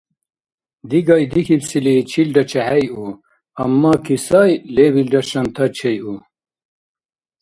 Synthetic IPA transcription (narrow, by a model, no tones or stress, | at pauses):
d̪iɡɑjd̪ikipsilit͡ʃʰilɖɐt͡ʃʰɛhɛju | ɐmːɑːkʰisɑjleβilɖɐʃɐnt̪ʰɐt͡ʃʰeju